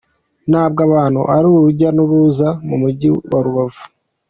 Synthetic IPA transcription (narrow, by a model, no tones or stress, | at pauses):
naːb̚ɡaβaːnhṵaɾuuɾuɟanuɾuzamumuɟiwaɾuβavu